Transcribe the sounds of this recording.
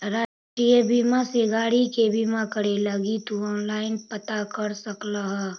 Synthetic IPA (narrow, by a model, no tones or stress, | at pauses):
ɾaːʃʈɾiəbiːmaseɡaːɽikebʱiːmakəɽeləɡit̪uɔːnlaːɪnpət̪akəɾsəklaɦɛː